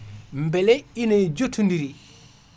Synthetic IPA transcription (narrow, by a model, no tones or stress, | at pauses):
mbɛlɛined͡ʒotʰːundiɾi